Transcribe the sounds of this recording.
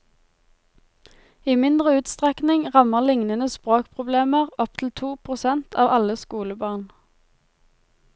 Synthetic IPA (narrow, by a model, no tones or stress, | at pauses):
iːmɪnd̪ʁəʉːt̪st̪ʁɛknɪŋʁɑməʁlɪŋnənəspʁoːkpʰʁʊbleːməʁɔp̚t̪ʰl̩t̪ʰuːpʰʁʊsɛnt̪ʰɑːʋɑləskuːləbɑːʁn